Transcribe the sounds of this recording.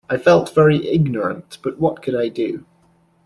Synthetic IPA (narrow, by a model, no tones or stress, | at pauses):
aɪfɛlˠtv̥ɛɹiʔɪɡ̚nə˞ə̰̃nb̥ʌʔwɔʔ̚kʰəɾaɪdə